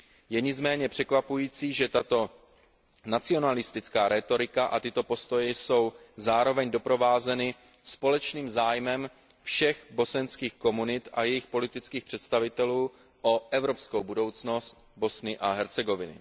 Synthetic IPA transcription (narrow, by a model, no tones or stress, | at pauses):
jɛɲɪd͡zmɛːɲɛpr̝̥ɛkvapujiːt͡siːʒɛt̪at̪o̞ | nat͡sɪo̞nalɪst̪ɪt͡skaːɾɛt̪o̞ɾɪkaʔat̪ɪt̪o̞po̞st̪o̞jɛso̞wzaːɾo̞vɛɲdo̞pɾo̞vaːzɛnɪ | spo̞lɛt͡ʃniːmzaːjmɛm | fʃɛxbo̞sɛnskiːxko̞munɪt̪ʔa̰jɛjɪxpo̞lɪt̪ɪt͡skiːxpr̥ɛt̪st̪avɪt̪ɛluː | ʔo̞ʔɛvɾo̞psko̞wbudo̞wt͡sno̞st̪bo̞snɪʔaɦɛɾt͡sɛɡo̞vɪnɪ̰